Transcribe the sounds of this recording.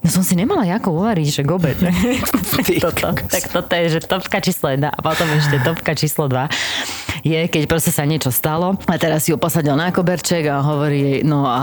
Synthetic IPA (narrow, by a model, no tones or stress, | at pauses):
nɔsɔmsiɲɛmalajakɔuʋaɾiɟʒɛɡɔbɛt͡s | t̪t̪t̪akt̪ɔt̪ɔjɛʒɛt̪ɔpkat͡ʃiːslɔjɛd̪na̰ʔa̰pɔt̪ɔmɛʃcɛt̪ɔpkat͡ʃiːslɔd̪ʋa | jɛkɛcpɾɔscɛsaɲɪɛt͡ʃɔst̪alɔat̪ɛɾasːijupɔsaɟilnakɔbɛɾt͡ʃɛɡaɦɔʋɔɾiɛjnɔa